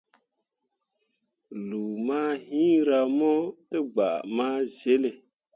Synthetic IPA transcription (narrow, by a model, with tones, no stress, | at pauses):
lu˨maː˦ɦĩ˦ɾa˨mɔ˦tə˦ɡ͡ba̰˨ʔmaː˦ze˦le˨